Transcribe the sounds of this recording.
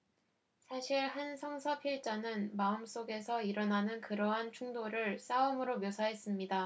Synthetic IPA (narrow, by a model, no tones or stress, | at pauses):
sʰaɕʰiɭhansʰʌŋsʰʌpʰiɭt͡ɕ͈ʌnɯnmaɯms͈oɡe̞sʰʌiɾʌnanɯnkɯɾʌɦant͡ɕʰuŋdoɾɯɭs͈aɯmɯɾomjosʰaɦe̞s͈ɯmɲida